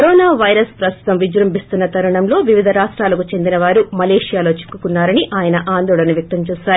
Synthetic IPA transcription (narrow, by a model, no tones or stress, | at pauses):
kɐɾoːnaːʋɐjɾɐspɾɐst̪u̥t̪ɐmʋid͡ʒɾɐmbist̪unːɐt̪ɐɾuɳɐmlo̞ːʋiʋid̪ʱɐɾaːʂʈɾaːlɐkut͡ʃe̞nd̪inɐʋaːɾumɐleːʂijaːlo̞ːt͡ʃi̥kːukunːaːɾɐniʔaːjɐnɐʔaːnd̪oːɭɐnɐʋjɐk̚t̪ɐmt͡ʃuːsaːɾi